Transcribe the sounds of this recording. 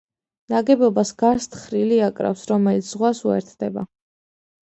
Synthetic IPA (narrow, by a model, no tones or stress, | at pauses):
naɡɛbɔbasɡaɾst̪ʰχɾiliakʼɾa̰fsɾɔmɛlit̪sʰz̥ʁwasuɛ̰ɾt̪ʰd̪ɛba̰